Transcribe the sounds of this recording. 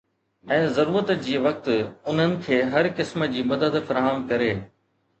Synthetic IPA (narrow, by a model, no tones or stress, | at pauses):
ɛ̃ːzɐɾuːɾət̪d͡ʑiːʋɐk̚t̪ʊn̤ənɪ̆kʰeːɦɐɾkɪsmə̆d͡ʑiːmɐd̪əd̪fɐɾaːɦəmkɐɾeː